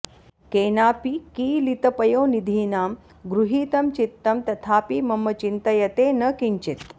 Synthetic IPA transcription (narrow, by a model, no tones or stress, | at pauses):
keːnaːpikiːlit̪ɐpɐjoːnid̪ʱiːnaːm | ɡɾuɦiːt̪ɐmt͡ʃit̪ːɐmt̪ɐt̪ʰaːpiːmɐmːɐt͡ʃint̪ɐjɐt̪eːnɐkiɲt͡ʃit̪